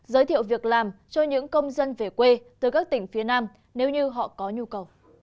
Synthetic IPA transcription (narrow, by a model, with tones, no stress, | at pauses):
zəː˨˦jt̪ʰḭ˧˨wvi˨˩ək̚laː˨˩mt͡ɕɔ˧ɲɨ̰˧˥ŋkə˧wŋ͡mzə˧nve˨˩kwe˧t̪ɨ˨˩kaː˦˥k̚t̪ï˧˩ŋ̟fi˨˦ənaː˧m | ne˨˦wɲɨ˧ɦɔ̰˧˨kɔ˨˦ɲu˧kə˨˩w